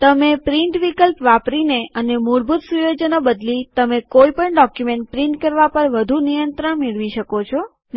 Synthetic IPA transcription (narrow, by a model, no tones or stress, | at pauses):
t̪əmepɾiɳʈʋikəlpʋapɾineənemuɾbʱut̪sujod͡ʒənabəd̪lit̪əmekoipəɳɖɔkjumeɳʈ̚pɾĩɳʈkəɾʋapəɾʋəd̪ʱunijənt̪ɾəɳmeɭʋiʃəkot͡ʃʰo | n